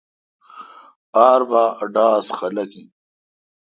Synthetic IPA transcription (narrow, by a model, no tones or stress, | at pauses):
aːɾbaːɖaːsxɐlɐki